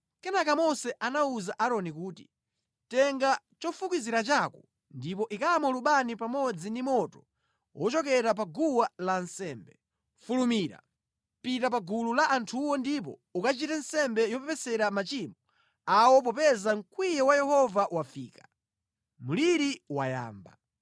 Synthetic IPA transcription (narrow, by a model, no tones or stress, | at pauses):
kɛnakamɔsɛʔanauzaʔaɾɔnikuːti | tɛŋɡa | t͡ʃɔfukiziɾat͡ʃakɔ | ndip̬ɔʔikaamɔluɓanipamɔd͡zindimɔtɔ | wʔɔt͡ʃɔkɛɾap̬aɡuwalansɛːmbɛ | fulumiːɾa̰ | pitap̬aɡululaʔantʰuwɔndip̬ɔ̰ukat͡ʃitansɛmbɛjɔpɛpɛsɛɾamat͡ʃimɔ | awɔp̬ɔpɛzaŋ̩kwijɛwajɛhɔvawafiːkḁ | muliɾiwa̰ja̰ːmba̰